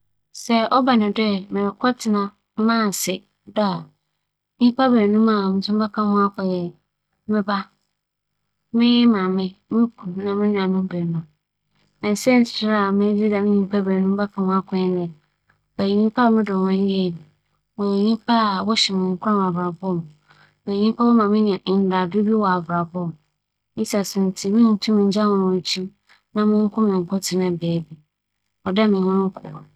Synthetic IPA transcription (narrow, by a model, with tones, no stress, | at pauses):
sɛ˦ʔɔ˦ba˨nɪ̃˨dɛ˦mɪ̃˨ɾɪ˨kʰɔ˦tʰɪ˨nã˦ | mãː˦˨sɪ˨ | da˦˨˦ | ɲĩ˦pa˦be˨nũ˦mã˨mɪ̃˨sʊ̃˦mba˦kʰã˦mʊ̃˦a˦kʰɔ˨jɛ˨ | mɪ̃˦ba˦ | mɪ̃˦jɛ˦mã˨mɪ̃˦mɪ̃˦kʰu˨nã˨mɪ̃˦nʊ̃˨ã˨mɪ̃˦bɛ˨nʊ̃˦ | mɛ̃˨n˨sɛ̃˦n̩˨sɪ̥˨tɪ˦ɾa˨mɪ̃˦d͡ʑi˦da˨mɪ̃˦ɲĩ˦pʰa˦bɛ˨nũ˦m˦ba˦kʰã˨mʊ̃˦a˦kʰɔ̃˨˦nɪ˨ | ɛ˨ji˨ɲĩ˦pʰa˦˨mɪ̃˦dʊ̃˨wɛ̃˦n˦je˦˨mi˨ | wɔ˨ɲĩ˦pʰa˦˨wɔ˦ɕɛ˨mɪ̃˨ŋ˨kʰʷʊ˦ã˦m̃˨a˨vɾa˨bɔ˦m̃˨ | a˨ɲĩ˦pʰa˦wɔ˦mã˨mɪ̃˦nɪ̃˨ã˨n̩˦da˨dʊ˦bi˦wɔ˨a˨vɾa˨bɔ˦˨m˨ | i˦sa˨sʊ̃˨n˨tʰi˦mɪ̃˦n̩˨tʰũ˦m̃˨ɲ̩˨˦d͡ʑa˦mʊ̃˨nʊ̃˨t͡ɕʰi˦ | nã˨mɪ̃˦ŋ̩˦kʰʊ̃˦mɪ̃˨ŋ̩˨kʰɔ˦tʰɪ˨nã˨bɛː˨˦bi˦ | ɔ˨da˦mɪ̃˨ɲʊ̃˦ŋ˦kʰʊ̰˨